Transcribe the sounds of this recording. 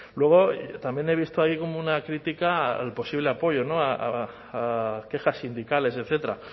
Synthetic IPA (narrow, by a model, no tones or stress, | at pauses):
lwe̞ɣ̞o̞t̪ambje̞ne̞β̞ist̪oaiko̞mounakɾit̪ikalpo̞siβ̞le̞apo̞ʝo̞no̞aaː | ke̞xasːind̪ikale̞se̞t̪θe̞t̪ɾa